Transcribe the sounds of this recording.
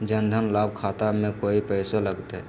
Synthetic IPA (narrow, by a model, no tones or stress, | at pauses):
d͡ʒənd̪ʱənlaːb̚kʰaːt̪amẽkoːipɛɪseləɡt̪eɦɛ